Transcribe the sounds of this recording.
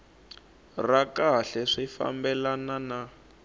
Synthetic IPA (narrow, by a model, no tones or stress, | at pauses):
rakaɬɛʂifa̰mbɛlanana